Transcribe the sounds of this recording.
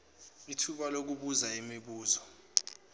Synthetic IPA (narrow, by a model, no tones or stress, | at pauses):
itʰuɓalok̬uɓuzaimiɓuːzɔ